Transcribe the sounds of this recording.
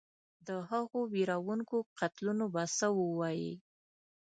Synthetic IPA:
d̪əɦaɣowiɾawuŋkoqʰat̪lunobasəwəwɑjḭ

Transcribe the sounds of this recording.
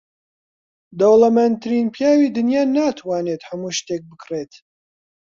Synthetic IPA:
d̪ɐwlɐmɛnt̪ʰɾinpʰjaːwiːd̪ɨnjaːnaːt̪ʰwaːnet̪hɐmuːʃt̪ek̚bɨkʰret̪

